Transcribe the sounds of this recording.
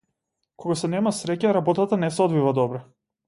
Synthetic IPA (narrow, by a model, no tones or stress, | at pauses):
kɔɡasɛnɛmasɾɛcaɾabɔt̪at̪anɛsɛɔd̪vivad̪ɔbɾɛ